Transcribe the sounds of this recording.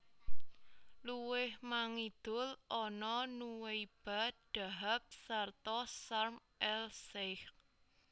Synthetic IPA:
luwɪhmaŋid̪̥ʊ̤lʔɔnɔnuwejb̥a̤ɖ̪̥a̤ɦap̚sart̪ɔsarmʔɛlsɪh

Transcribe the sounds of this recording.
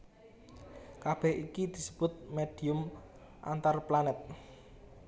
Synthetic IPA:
kab̥ɛhikid̪̥i̤səb̥ʊt̪̚meɖ̥iʊm | ʔa̰nt̪arplanɛt̪̚

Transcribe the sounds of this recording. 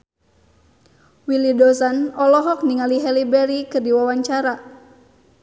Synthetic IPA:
wilidɔsanɔlɔɦɔk̚niŋaliɦɛlibɛɾikɨrdiwawaɲt͡ʃaɾa

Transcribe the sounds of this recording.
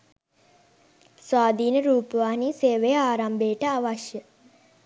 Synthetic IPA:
sʋaːd̪ʱiːnəɾuːpəʋaːɦniseːʋejəaːɾambeːʈəaʋaʃjə

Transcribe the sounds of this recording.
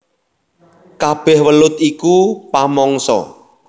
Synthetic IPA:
kab̥ɛhwəlʊt̪ikupamɔŋsɔ̰

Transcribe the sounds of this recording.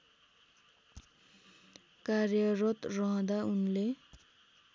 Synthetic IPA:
karjʌrʌt̪rʌɦʌ̃d̪aunle

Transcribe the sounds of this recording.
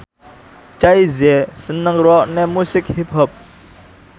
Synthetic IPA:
t͡ʃajzesənaŋɾɔʔnɛmusik̚hip̚ʰɦəp̚

